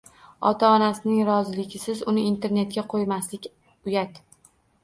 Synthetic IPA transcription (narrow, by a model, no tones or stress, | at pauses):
ɒ̰t̪ʰaɒnasɪnɪŋɾɒzɪlɪɡʲɪsɪzʊnɪint̪ʰe̞ɾne̞t̪̚kʲaqʰojmaslɪkʲ | ʊjat̪